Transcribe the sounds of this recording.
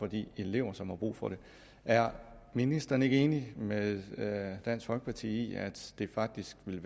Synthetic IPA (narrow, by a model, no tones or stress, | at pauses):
fɒ̽d̥ḭːele̝ʊ̰ɐsɒ̽mhɑ̈b̥ʁṵːfɒ̽ɾ̥e̝ | ʔæɐminisd̥ɐne̝ɡ̥əe̝ːnimeðˠd̥æn̰sɡ̥fɒlɡ̥ə̥pʰɑ̈t͡sʰḭːḭæd̥d̥e̝fɑ̈ɡ̥̚d̥isɡ̥ʋe̝lʋ